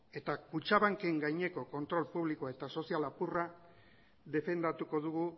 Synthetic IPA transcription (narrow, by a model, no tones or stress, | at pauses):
e̞t̪akut͡ʃaβaŋke̞ŋɡajɲe̞ko̞ko̞nt̪ɾo̞lpuβlikoae̞t̪aso̞sialapura | ðe̞fe̞nd̪at̪uko̞ðuɣu